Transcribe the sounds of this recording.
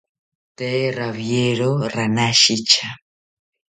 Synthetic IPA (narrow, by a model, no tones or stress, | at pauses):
t̪ɛɾaβjeɺoɾanaʃit͡ʃʰa